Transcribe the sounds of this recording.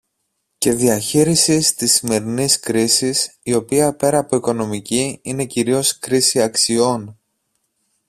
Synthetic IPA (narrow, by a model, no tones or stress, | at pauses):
ce̞ðiɐçiɾisist̪isime̞ɾiniskɾisisio̞piɐpe̞ɾɐːpoiko̞no̞miciine̞ciɾio̞skɾisiɐksio̞n